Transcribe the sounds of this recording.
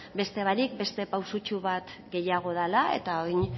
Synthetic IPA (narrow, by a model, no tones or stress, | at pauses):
be̞st̪e̞β̞aɾik̚be̞st̪e̞pawsut͡ʃuβat̪ɡe̞jaɣ̞o̞ð̞alae̞̰t̪aojn